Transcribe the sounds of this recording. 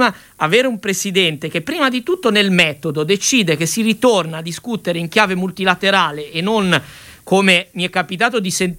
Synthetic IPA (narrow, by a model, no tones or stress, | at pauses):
ma | aveːɾeumpɾesid̪ɛnt̪ek̟epːɾiːmad̪it̪ut̪ːonelmɛt̪od̪od̪et͡ʃiːd̪ekesːirit̪ornaːd̪ːiskut̪eɾeiŋk̟jaːvemult̪ilat̪eɾaːleʔːnːon | komemiɛkːapit̪aːt̪od̪isen